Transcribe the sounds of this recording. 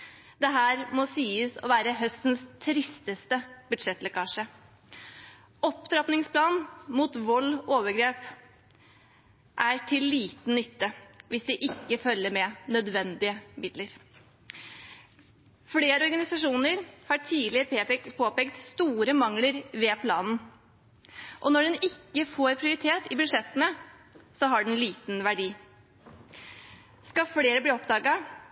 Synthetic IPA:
d̪ɛɦæːɾmɔsiːəsɔ̰ʋæːɾəɦœst̪nst̪ʰɾɪst̪əst̪əbʉd̪ʂɛt̪ːlɛkɑːʂə | ɔpt̪ʰɾɑp̪nɪŋspʰlɑːnmuːt̪ʋɔlːoːʋəɾɡɾeːp | ʔæʈʰɪlːiːt̪n̩nːʏt̪ːəʋɪsd̪ɪʔɪkːəfœlːəɾmɛnœd̪ʋɛnd̪ɪəmɪd̪ləɾ | fleːɾəɔɾɡɑnɪsɑʂuːnəɾhɑʈʰiːlɪpʰeːpɛk̪pʰoːpɛːkt̪st̪uːɾəmɑŋləɾʋeːpʰlɑ̰ːnn̩ | ʔɔnɔɖɛnɪkːəfoːɾpʰɾɪʊɾɪt̪ʰeːt̪ɪbʉʂɛt̪ːənə | sɔɦɑɖɛnliːt̪nʋæɖiː | skɑfleːɾəbliːɔpd̪ɑːɡɑ

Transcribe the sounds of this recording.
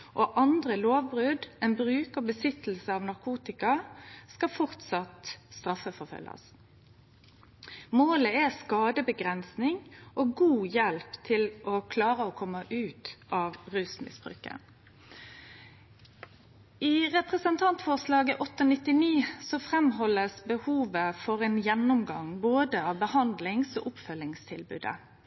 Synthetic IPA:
ʔoʔɑnd̪ʁəloːʋbʁʉd̪ɛnbʁʉːkɔbəsɪt̪l̩səɑːʋnɑʁkʰuːt̪ɪkɑskɑfɔʁt̪sɑt̪st̪ʁɑfəfɔʁfœ̰lːɑ̰s | moːləɛskɑːd̪əbəɡʁɛnsnɪŋʔoːɡuːjɛlpt̪ʰɪlʔɔkʰlɑːʁəɔkʰɔmːəʔʉːt̪ʔɑːʋʁʉːsmɪ̰sb̥ʁʉ̰ːkə̰ | ʔɪʁɛpʁɛsənt̪ʰɑnt̪fɔʁslɑːɡəʔɔt̪ːɔnɪt̪ːɪniːsɔfʁɛmɦɔlːəsbəhuːʋəfɔʁeːnjɛnːʊmɡɑŋboːd̪əɑːʋbəhɑnd̪lɪŋso̰ːʔʊpfœlːɪŋst̪ʰɪlbʉ̰ːd̪ə̰

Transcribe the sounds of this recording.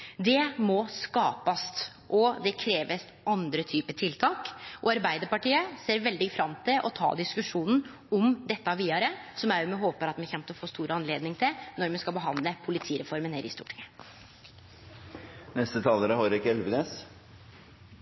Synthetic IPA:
d̪ɛmɔskɑːpɑst̪ | ʔɔd̪ɛkʰɾeːʋəs | ɑnd̪ɾət̪ʰyːpət̪ʰɪlt̪ʰɑːkʔɔɑɾbæɪd̪əɾpɑʈiːəseːɾʋɛld̪ɪfɾɑmt̪ʰɪlʔɔ̰t̪ʰɑ̰ːd̪ɪskʉʂuːnn̩ | ɔmd̪ɛt̪ːəɑʋiːɑɾəsɔmæʊmɛɦoːpəɾɑt̪mɛçɛmt̪əɔfoːst̪uːɾəɑnleːd̪nɪŋt̪ʰɪnɔɾmɛnskɑbəɦɑnd̪ləpʰʊlɪt̪ʰiːɾɛfɔɾmənheːɾɪst̪ṵːʈʰɪ̥ŋːə | nɛst̪ət̪ʰɑːləɾəhɔɾɪkɛlʋəneːs

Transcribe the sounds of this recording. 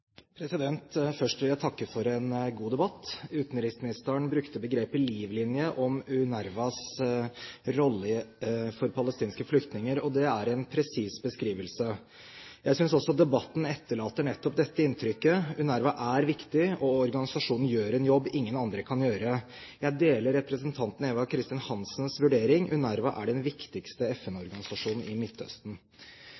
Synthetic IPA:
pʰɾɛsɪd̪ɛnt̪fœʂʈʋɪljæɪt̪ʰɑkːəfɔɾɛnɡuːd̪ɛbɑt̪ːʉːt̪n̩ɾɪsmɪnɪst̪əəɳbɾʉkt̪əbəɡɾeːpɪliːʋlɪnjəʔɔmʉnæɾʋɑs | ɾɔlːəfɔɾpʰɑləst̪iːnskəflʏkt̪nɪŋəɾɔd̪ɛæɾɛnpʰɾɛsiːsbəskɾiːʋəlsə | jæɪsʏnsɔsɔd̪ɛbɑt̪ːn̩ɛt̪ːəɭɑːt̪ːəɳɛt̪ːɔp̚d̪ɛt̪ːəɪnt̪ʰɾʏkːəʉnæɾʋɑʔæɾʋɪkt̪ɪɔɔɾɡɑnɪsɑʂuːnn̩jøːɾɛnjɔbːɪŋːənɑnd̪ɾəkʰɑnjøːɾə | jæɪd̪eːləɾɛpɾəsənt̪ʰɑnt̪n̩eːʋɑkʰɾɪst̪ɪnhɑnsnsʋʉɖeːɾɪŋʔʉ̰næɾʋɑʔæ̰ɖɛnʋɪkt̪ɪkst̪əɛfɛnɔɾɡɑnɪsɑʂuːnn̩ɪnɪt̪ʰːœ̰st̪n̩

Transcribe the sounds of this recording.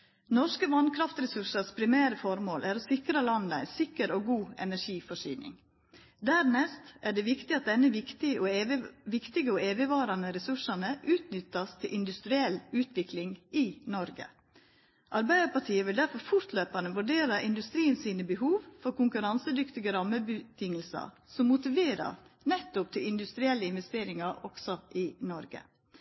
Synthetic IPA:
nɔʂkəʋɑnkʰɾɑft̪ɾɛsʉʂəspʰɾɪmæːɾəfɔɾmoːlʔæːɾɔsɪkɾɑlɑnəæ̰ɪnsɪkəɾoːɡuːɛ̰næʂiːfɔʂy̰ːnɪ̰ŋ | d̪æɾnɛst̪ʔæɖɛʋɪkt̪ɪɑt̪̚d̪ɛnːəʋɪkt̪ɪəʔoʋɪkt̪ɪɡəɔeːʋɪʋɑːɾɑnəɾɛsʉʂɑnəʔʉːt̪nʏt̪ːɑst̪ʰɪlʔɪnd̪ʉst̪ɾɪɛlʉːt̪ʰʋɪklɪŋɪnɔɾɡə̰ | ʔɑɾbæɪd̪əpɑʈʰiːəʋɪld̪æɾfɔɾfʊɾt̪løːpɑnəʋʉɖeːɾɑʔɪnd̪ʉst̪ɾiːənsiːnəbəɦuːʋfɔɾkʊŋkʉɾɑnsəd̪ʏkt̪ɪɡəɾɑmːəbət̪ʰɪŋːəlsɑ̰ | sɔmːʊt̪ɪʋeːɾɑ̰ɾnɛt̪ːʊp̚t̪ʰɪlɪnd̪ʉst̪ɾɪɛlːəɪnʋɛst̪eːɾɪŋɑɾɔɡ̥sɔʔɪnɔɾɡə̰

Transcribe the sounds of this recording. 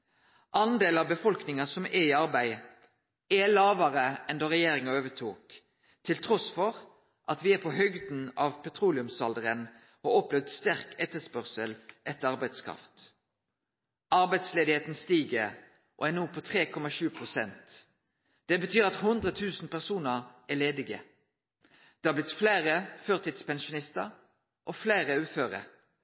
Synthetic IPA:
ʔɑnd̪eːlɑʋbəfɔlknɪŋɑsɔmɛiɑʁbæɪ | ælɑːʋɑʁəɛnd̪oːʁɛjeːɾɪŋɑøːʋət̪ʰuːk̪ʰː | ɪlt̪ʰʁɔsfɔʁ | ʔɑt̪ʋɪæpʰoɦœɡd̪n̩ɑːʋpʰɛt̪ʰʁuːlɪʉmsɑld̪əʁən | oɔplɛʋd̪st̪æʁkʰɛt̪ːəspœʁsəlʔɛt̪ːəɑʁbæɪd̪skʰʁɑ̰ft̪ | ʔɑʁbæɪd̪sleːd̪ɪheːt̪nst̪iːɡə | ʔo̰ænuːpʰot̪ʰʁeːkʰɔmɑʃʉːpʰʁʊsɛnt̪ | d̪̥ɛbət̪ʰyːɾɑt̪hʊnd̪ʁət̪ʰʉːsn̩pæʁsuːnəʁæleːd̪ɪɡə | d̪̥ɛhɑːblɪt̪fleːʁəføːʁt̪ɪːd̪spɛnʃʊnɪst̪əʁ | ʔofleːʁəʉːføːʁə̰

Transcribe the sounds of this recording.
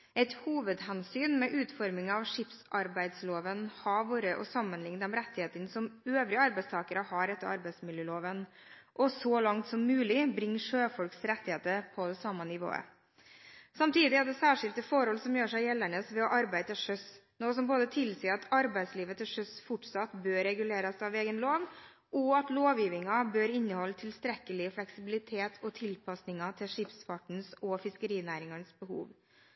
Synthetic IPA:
ɛɪt̪huːʋəd̪ɦɛnsyːnmɛʔʉːt̪fɔɾmɪŋɑʋʂɪpsʔɑɾbæɪd̪sloːʋənhɑʋuːɾəʔɔsɑmːənlɪŋnɑmɾɛt̪ːɪheːt̪əɳsɔmøːʋɾɪəɑɾbæɪst̪ʰɑːkəɾəhɑɾɛt̪ːəɾɑ̰ɾbæɪsmɪljəːloːʋən | ʔɔsɔlɑŋt̪sɔmːʉːlɪbɾɪŋːʂøːfɔlksɾɛt̪ːɪheːt̪əɾpʰɔd̪ɛsɑmːənɪʋo̰ːə̰ | sɑmt̪ʰiːd̪ɪæd̪ɛsæːʂɪlt̪əfɔɾhɔlsɔmjøːʂæɪjɛlːəɳəsʋɛɔʔɑɾbæɪd̪əʂœsnoːs̬ɔmboːd̪ət̪ʰɪlsiːəɾɑt̪ʰɑɾbæɪsliːʋət̪ʰɪlʂœsfʊʈsɑt̪bøːɾɛɡʉleːɾɑsɑʋeːɡənloːʋ | ʔɔɑt̪loːʋjiːʋɪŋɑbøːɾɪnːəhɔlːt̪ʰɪlst̪ɾɛkəlɪflɛksɪbɪlɪt̪ʰeːt̪ʰɔt̪ʰɪlpʰɑsnɪŋɑt̪ʰɪlʂɪpsfɑʈɳ̩sɔfɪskəɾiːnæːɾɪŋɑnsbəɦṵːʋ

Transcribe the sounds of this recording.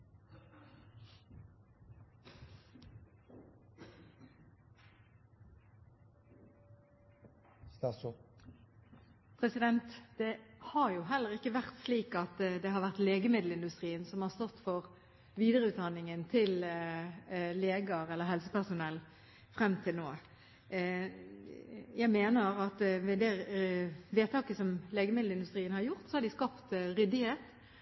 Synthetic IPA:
pʰʁɛsɪd̪ɛnt̪d̪̥ɛhɑʁjuːɦɛlːəʁɪkːəʋæʁt̪sliːkɑt̪d̪ɛhɑʁʋæʁt̪leːɡəmɪd̪l̩ɪnd̪ʉst̪ʁiːənsɔmhɑːʁst̪ɔt̪ːfɔʁ | ʋiːd̪əɾəʉːt̪̚d̪ɑnɪŋənt̪ʰɪl | leːɡəɾɛlːəɾɦɛlsəpæʁsʊnɛlː | fʁɛmːt̪ʰɪlnoːə | jæɪmeːnəɾɑt̪ʋɛd̪ɛ | ʋeːt̪ʰɑːkəsɔmleːɡəmɪd̪l̩ɪnd̪ʉst̪ʁiːənhɑɾjʊʁt̪sɔhɑd̪ɪskɑpt̪ɾʏd̪ɪheːt̪

